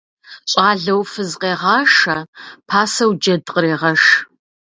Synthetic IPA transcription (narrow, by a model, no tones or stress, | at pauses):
ɕʼɑːɮɐwfɨzqeːʁɑːʂɐpʰaːsɐwd͡ʒɐdqʼəɾeːʁɐʂ